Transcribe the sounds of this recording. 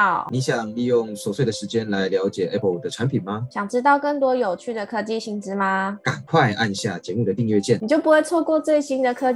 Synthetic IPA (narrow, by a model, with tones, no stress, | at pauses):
ʊni˧˥ɕjɑ˨˩ŋli˥˧jʊ˥˩ŋswɔ˨˩swe˥˩d̪ə˩ʂɻ̩˧˥t͡ɕjɛ˥nla˧˦˥ɪljɑ˧˥ʊt͡ɕjɛ˨˩ʔɛ˦˥pʰə˧˩ld̪ə˨ʈ͡ʂʰa˧˦npʰi˨˩nma˦ɕjɑ˨˩ŋʈ͡ʂɻ̩˥t̪̬ɑ˥˧ʊkə˥˩ŋt̪wɔ˥jo˨˩ʊt͡ɕʰy˥˩d̪ə˨kʰɤ˥t͡ɕi˥˧ɕi˧˥ŋʈ͡ʂɻ̩˧˥ma˧ka˨˩nkʰwa˥˧ɪʔa˥˧nɕja˥˩t͡ɕjɛ˧˥mu˥˩d̪ə˩t̪i˥˧ŋɥɛ˥˧t͡ɕjɛ˥˩n˨t͡ɕjo˥˩pu˧˥xwe˥˧ɪt͡sʰwɔ˥˧kwɔ˥˧t͡swe˥˩ɪɕi˥nd̪ə˨kʰɤ˥